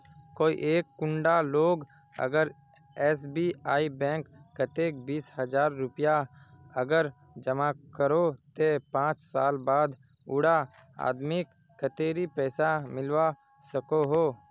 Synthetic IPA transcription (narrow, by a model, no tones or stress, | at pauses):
koːḭʔeːkːʊ̃ɳɖaloːɡ | ə̰ɡəɾ | ɛːsbiːaːibɛ̃ːŋkːət̪eːk̚biːshəd͡ʒaːɾːʊpja | əɡəɾ | d͡ʒəmakəɾot̪epãːt͡ʃsaːlbaːd̪ | ʊɽa | a̰ːd̪mɪkːət̪eːɾipɛːsamɪlwa | səkoɦoː